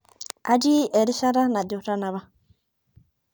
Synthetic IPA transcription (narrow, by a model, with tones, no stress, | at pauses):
a˦d͡ʒi˦e˨ɾi˦ʃa˦ɾa˦na˨du˨ɾa˦na˨βa˦